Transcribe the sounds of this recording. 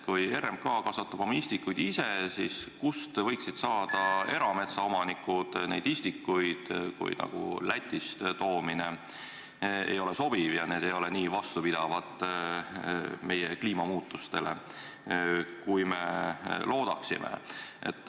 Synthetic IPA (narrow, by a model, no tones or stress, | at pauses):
kuje̞ɾemkɑːkɑsvɑt̪ːˑɑb̥o̞mɑist̪ikːujd̪̥isesiskust̪vɤ̞jksid̪̥sɑːd̪̥ɑe̞ɾɑme̞t̪sɑo̞mɑnikːud̪̥nejd̪ist̪ikːˑujd̪̥kṵjnɑ̰ɡ̥ṵlæt̪ʲːˑist̪t̪o̞ːmine̞ | ḛjo̞leso̞b̥ivjɑneːd̪e̞jo̞leniːvɑst̪upid̪̥ɑvɑt̪ˑ | me̞jekliːmɑmuːt̪ːˑust̪e̞le̞̰ | kujme̞lʔo̞ːd̪̥ɑksḭmʔḛʔḛt̪ːˑ